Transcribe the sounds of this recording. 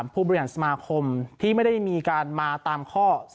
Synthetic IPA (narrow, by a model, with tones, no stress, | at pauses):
mpʰuː˥˩bɔ˧ɾi˧haː˩˦˥sa˧maː˧kʰo˧mt̪ʰiː˥˩ma˥˩jda˥˩jmiː˧kaː˧nmaː˧t̪aː˧mkʰɔː˥˩s